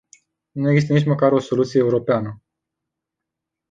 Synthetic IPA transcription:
nueɡzist̪ənit͡ʃməkaɾo̞so̞lut̪sijeuɾo̞peanə

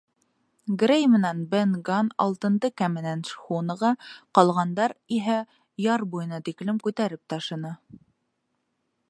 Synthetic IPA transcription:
ɡrʲejmɘ̆nænbenɡɑnɑ̰lˠt̪ɤ̆nd̪ɤkæmɘ̆nænʃχunɤ̆ʁɑqɑlˠʁɑnd̪ɑɾiɦæ | jɑɾbujɤ̆nɑt̪iklɘmkʉt̪æɾɘp̚t̪ɑʃɤ̆nɤ

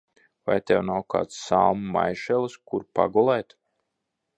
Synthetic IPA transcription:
va̰jt̪ʲɛwnawka̰ːt̪ssalˠmma̰jʃɛlˠskuɾpa̰ɡɔlˠɛjt̪

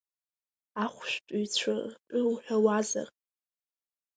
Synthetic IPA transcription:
aχʷʃtʼujt͡ɕʷʰaɨwuħᶣawaza̰rʼ

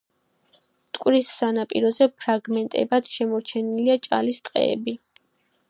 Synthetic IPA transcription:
t̪ʼkʼwɾisːanapʼḭɾɔzɛpʰɾaɡmɛnt̪ʼɛ̰bat̪ʰʃɛmɔɾt͡ʃʰɛniliat͡ʃʼa̰list̪ʼqʼɛ̰ːbi

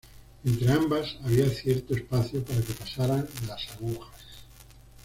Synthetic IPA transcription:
e̞nt̪ɾeambasaβ̞iaθje̞ɾt̪oespaθjopaɾake̞pasaɾanlasaɣuxas

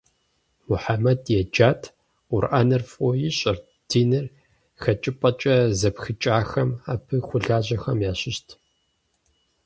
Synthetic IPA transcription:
mʊħamɐdjɛd͡ʒaːtʰ | ʊrʔaːnɐrfʼoːjiɕʼɐr | dʰiːnɨr | xɐt͡ʃʼɪpʼɐt͡ʃʼɐzɐpxɨt͡ʃʼaːxɐmaːpʰɨxʷʊɮaːʑɐxɐmjaːɕɪʃtʰ

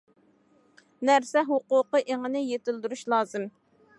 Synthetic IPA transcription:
næɾsɛɦoqʊːqəʔeŋɪnɪjet̪ɪld̪yɾuʃlˠɑːzɨm

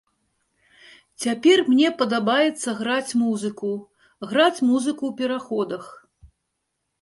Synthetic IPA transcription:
t͡sʲapʲɛrmnʲɛpɐd̪abajɛt̪sːɐɣɾat͡sʲmuzɨku | ɣɾat͡sʲmuzɨkuwpʲɛɾaxɔd̪ɐx

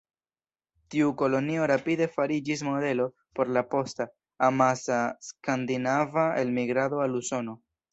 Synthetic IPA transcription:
tiuko̞lo̞nio̞ɾapide̞faɾid͡ʒis̬mo̞de̞lo̞ | po̞ɾlapo̞sta | amasaskandinavaelmiɡɾado̞aluso̞no̞

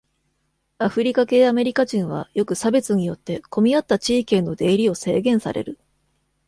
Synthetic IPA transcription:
aɸɯ̟ɾʲikake̞ːame̞ɾʲikaʑĩɰ̃βa̰jo̞kɯ̟sabe̞t͡sɨɲ̟ijo̞t̪ːe̞ko̞mʲiat̪ːat͡ɕiːkẽ̞nːo̞d̪e̞ːɾʲio̞se̞ːɡẽ̞ɰ̃sa̰ɾʔe̞̰ɾɯ̟

